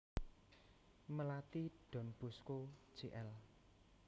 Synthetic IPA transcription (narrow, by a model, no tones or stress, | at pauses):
məlat̪iɖ̥ɔ̤nb̥ṳsko̥ʒ̥eʔɛl